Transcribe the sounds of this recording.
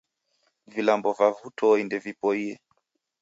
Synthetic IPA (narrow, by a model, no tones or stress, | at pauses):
vilambɔvavutʰɔindɛvipɔiɛ